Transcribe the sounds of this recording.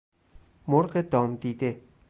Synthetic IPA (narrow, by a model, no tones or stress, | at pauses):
moɾɢed̪ɒːmd̪iːd̪e